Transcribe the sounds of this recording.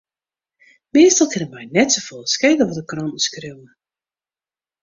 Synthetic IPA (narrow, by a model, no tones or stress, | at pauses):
meːstɔlˠkɪnənmɛjnɛtsofolˠskejdəʋɔtəkrɔntn̩skrewnə